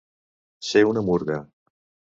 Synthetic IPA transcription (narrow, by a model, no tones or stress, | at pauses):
ʃewnəmuɾɣa